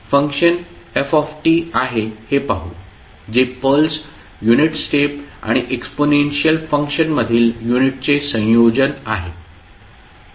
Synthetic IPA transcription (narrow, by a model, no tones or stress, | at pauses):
fəŋkʂən | efɔfʈiːaɦehepaɦṵ | d͡zepəls | juniʈsʈepa̰ɽ̃iʔeksponenɕijəlfəŋkʂənməd̪ʱiːljuniʈ̚t͡sesə̃jod͡ʑəna̰ɦe